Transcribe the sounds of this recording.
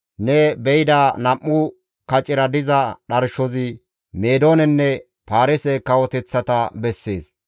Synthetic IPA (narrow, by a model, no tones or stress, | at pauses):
nɛbɛjɪd̪aːnɐmːʊ | kɐt͡ʃʼːɪɾɐd̪ɪzɐɗɐɾʃɔzɪ | meːd̪o̞ːnɛnːɛ | paːɾɛsɛkːɐwɔt̪ɛt͡sːɐt̪ɐbɛsːeːs